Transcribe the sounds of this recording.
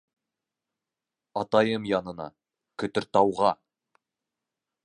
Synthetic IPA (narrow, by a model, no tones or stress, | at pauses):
ɑt̪ɑjɤmjɑnɤ̆nɑ̰ | kʲʰɵ̆t̪ʏ̆ɾt̪ɑwʁɑ